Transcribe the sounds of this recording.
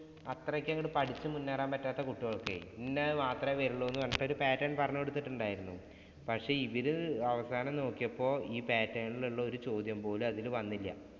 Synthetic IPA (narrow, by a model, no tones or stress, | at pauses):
ɐt̪rɐkʲːɐŋɡɐɽɨpɐʈʰit͡ɕːɨmunːaːraːmpɐtːaːt̪ːɐkuʈːuɣɐɭkːḛinːemaːt̪rɐʋeːɾuɭːoenːuʋɐnːɐʈːeo̞ɾupaːtːɐnpɐrɐɲːɐkeɽut̪ːiʈːuɳɖaːjiɾunːu | pɐkʂe̞ːiʋiɾuɐʋɐsaːnɐmno̞ːkːijɐpːo̞ːiːpaːtːɐːɳiluɭːɐo̞ɾut͡ɕo̞ːd̪jɐmpo̞ːlumɐðilʋɐnːilːɐ̰